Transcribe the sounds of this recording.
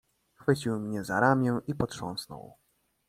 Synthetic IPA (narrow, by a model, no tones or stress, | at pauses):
xfɘt͡ɕiwmɲɛzaɾamʲjɛ̃ʔipɔtʂɔ̰̃w̃snɔ̰w